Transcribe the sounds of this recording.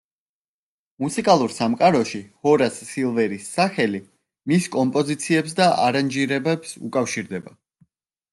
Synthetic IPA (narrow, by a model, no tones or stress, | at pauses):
musikʼalˠuɾsamqʼaɾɔʃihɔɾasːilˠvɛɾisːaχɛli | miskʼɔmpʼɔzit̪sʰiɛps̬d̪aʔaɾand͡ʒiɾɛbɛbsṵkʼafʃiɾd̪ɛba